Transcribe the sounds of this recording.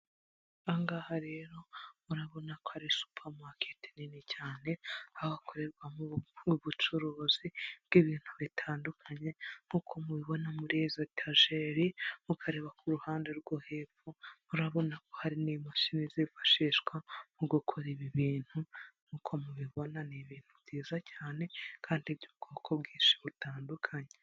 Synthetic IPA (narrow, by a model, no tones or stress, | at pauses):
aŋɡahaɾe̞ɾo̞muɾaβo̞nako̥haɾisu̥pʰaɾmakʰeti̥ninicaːne̞aβako̞ɾe̞ɾɡwamuuβut͡ʃuɾoːzibɡ̥iβiːn̥huβitʰaːndukʰaɲe̞ŋ̥uːkʰo̞muβiβo̞namuɾizotʰaʒeɾimukʰaɾe̞ːβakʰuɾuhaːnde̞ɾɡohefumuɾaβo̞nako̞haɾinimaʃinizifḁʃiːʃɡwamuɡukʰoɾiβiβiːn̥huŋ̥uːkʰo̞muβiβo̞naniβiːn̥huβɟiːzacaːne̞kʰaːndibɟuβkʰo̞ːkʰobɡiːʃi̥βutaːndukʰaɲe